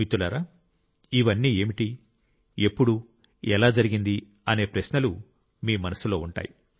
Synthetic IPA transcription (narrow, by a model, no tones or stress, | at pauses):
it̪ːulaːɾaː | iʋɐnːiːe̞ːmiʈi | e̞pːuɽu | ɛlaːd͡ʒɐɾiɡind̪i | ɐne̞ːpɾɐʃnɐlu | miːmɐnɐsulo̞ːuɳʈa̰ːji